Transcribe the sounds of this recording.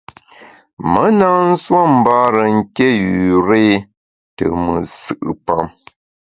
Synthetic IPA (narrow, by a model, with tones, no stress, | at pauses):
mə˦na˦n̩˦swa˦m̩˨ba˦ɾə˨ŋ̩˦ke˦˨jʉ˨ɾe˦ | tə̰˨mə˨sɨ˨ʔɨ˨pa˦˨m